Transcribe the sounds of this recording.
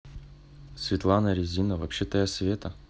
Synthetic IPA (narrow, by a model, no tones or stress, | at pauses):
svʲɪt̪lˠanəɾʲɪzʲinəvɐpɕːet̪əjasʲvʲet̪ə